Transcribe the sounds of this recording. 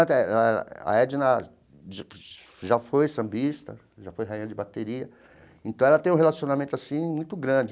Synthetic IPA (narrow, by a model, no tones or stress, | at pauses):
t̪ɛlɛ̰a̰ɛd͡ʒɪnɐ | ʒ | ʒafojsɐ̃bist̪ɐ | ʒafojɦaɐ̃d͡ʒɪbat̪eɾiɐ | ẽnt̪ɐ̃w̃ɛlɐt̪ẽj̃ũɦelasionamẽnt̪ʊasĩmũj̃t̪ʊɡɾɐ̃d͡ʒɪ